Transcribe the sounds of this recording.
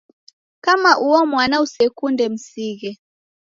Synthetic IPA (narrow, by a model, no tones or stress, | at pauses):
kamaʔuɔmwanausɛkundɛm̩siɣɛ